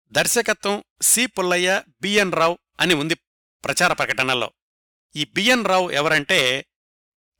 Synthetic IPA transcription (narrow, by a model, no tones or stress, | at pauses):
d̪ɐɾʃɐkɐt̪ʋɐmsiːpulːɐjːɐbiːjɐnɾaw | ɐniund̪i | pɾɐt͡ʃaːɾɐpɾɐkɐʈɐɳɐlo̰ː | iːbijɐnɾɐːwɛʋɐɾɐɳʈe̞ː